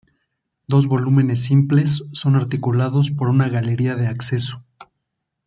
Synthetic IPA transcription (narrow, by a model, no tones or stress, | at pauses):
d̪o̞zβo̞lume̞ne̞sːimple̞sːo̞naɾt̪ikulaðo̞spo̞ɾunaɣale̞ɾiaðe̞akse̞so̥